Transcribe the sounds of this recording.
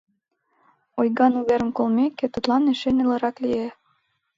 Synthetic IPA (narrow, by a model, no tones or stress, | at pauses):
ojɣɑnuβeɾə̆mkolmekːet̪ɤ̆t̪lˠɑneʃenĕlɑɾɑklije